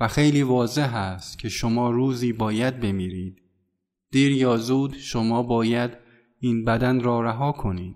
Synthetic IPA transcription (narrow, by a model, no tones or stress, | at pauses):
væxe̞jliːvɒːze̞ɦæst̪cʰe̞ʃomɒːɾuːziːbɒːjæd̪̚be̞miːɾiːd̪ | d̪̥iːɾjɒːzuːd̪ʃomɒːbɒːjæd̪ | iːnbæd̪ænɾɒːɾæɦɒːkʰo̞niːd̪̥̚